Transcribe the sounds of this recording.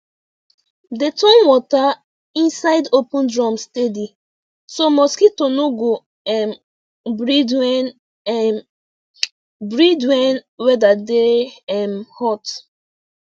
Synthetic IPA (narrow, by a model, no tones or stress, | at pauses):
detɔ̃nwɔta | ĩnsaɪdopũndɹɔ̃mstedi | somɔskitonoɡo | ɛm | bɹidwɛn | bɹidwɛ̃nwɛdadeɛmhɔt